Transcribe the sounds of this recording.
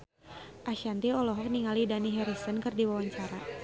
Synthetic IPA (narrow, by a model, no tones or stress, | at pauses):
ʔaʃant̪iɔlɔɦɔk̚niŋalidaniɦɛɾisənkɨrdiwawaɲt͡ʃaɾa